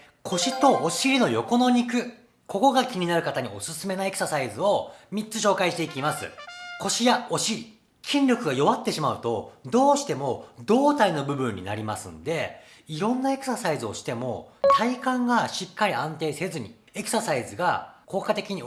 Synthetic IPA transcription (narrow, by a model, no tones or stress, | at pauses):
kʰo̞ɕit̪o̞ːɕiɾʲino̞jo̞ko̞no̞ɲ̟ikɯ̟ | kʰo̞ko̞ɡakʲiɲ̟inaɾɯ̟kat̪aɲ̟io̞̰sɨsɨme̞nae̞kɯ̟̥sasaizɨo̞mʲitt͡sɨɕ̬o̞ːkaiɕi̥t̪e̞ikʲimasɨ̰ko̞ɕijao̞ɕiɾʲi | kʲʰĩnɾʲo̞kɯ̟ɡajo̞βat̪ːe̞ɕimaɯ̟t̪o̞d̪o̞ːɕi̥t̪e̞mo̞d̪o̞ːt̪aino̞bɯ̟bɯ̟̃ɲ̟ːḭna̰ɾʲima̰sɨ̰̃nd̪e̞ | iɾõ̞nːae̞kɯ̟̥sasaizɨo̞ɕi̥t̪e̞mo̞̰t̪ʰaikãŋɡaɕikːaɾʲiãnt̪e̞ːse̞zɨɲ̟i | e̞kɯ̟̥sasaizɨɡako̞ːkat̪e̞kʲiɲ̟i